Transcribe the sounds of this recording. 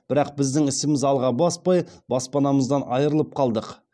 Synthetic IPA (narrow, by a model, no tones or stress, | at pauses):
bɪɾɑq̚bɪzd̪ɪŋɪsɪmɪzɑlˠʁɑbɑspɑjbɑspɑnɑməzd̪ɑnɑjəɾəlˠəp̚qʰɑlˠd̪əq